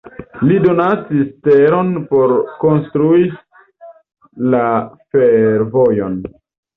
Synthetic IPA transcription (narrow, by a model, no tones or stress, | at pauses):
lido̞nasisteɾo̞npoɾko̞nstɾuis | lafeɾvojo̞n